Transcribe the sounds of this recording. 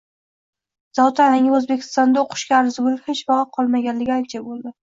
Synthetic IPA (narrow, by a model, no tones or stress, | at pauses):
z̥ɒwt̪ʰanɪŋʲaɵzbekʲʰɪ̥st̪ɒnd̪aoqʰʊ̥ʃkʲaːɾzɪɡʊlɪhet͡ʃbɒʁɑqʰɒlˠmaɡʲanlɪɡʲɪak̚ʲt͡ʃʰabolˠd̪ɪ